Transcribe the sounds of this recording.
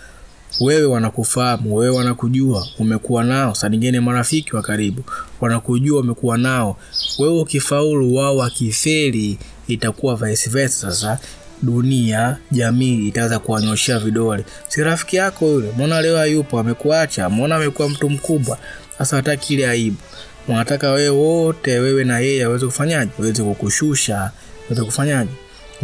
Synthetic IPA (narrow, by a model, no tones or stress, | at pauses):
wɛwɛwanakufahamuwɛwɛwanakuʄuaumɛkuwanaɔsaniŋɡɛnɛmaɾafikiwakaɾiɓuwanakuʄuaumɛkuwanaɔ | wɛwɔkifauluwaɔwakifɛliː | takuwavaɛsivɛssasa | ɗuniaʄamiːtawɛzakuwaɲɔʃɛaviɗɔlɛ | siɾafi̥kijakɔilɛmɔnalɛɔajupɔamɛkuat͡ʃamɔnaːmɛkuwam̩tum̩kuɓwa | asawatakʰilɛaiɓɔ | manatakawɛɛwɔtɛwɛwɛnajɛjɛawɛzɛkufaɲaʄɛwawɛzɛkukuʃuʃa | awɛzɛkufaɲaʄɛ